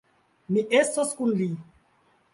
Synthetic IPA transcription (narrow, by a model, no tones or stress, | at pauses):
miʔɛsɔskunli